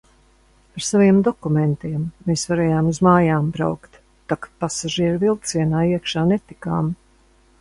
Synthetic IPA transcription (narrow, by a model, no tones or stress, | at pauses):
paɾsaviɛmd̪ɔkumɛnt̪iɛmːeːsvaɾɛːjaːmuzmaːjaːmbɾa̰wkt̪ː | akpasaʒiɛɾvilˠt̪siɛnaːiɛkʃaːnɛt̪ikaːm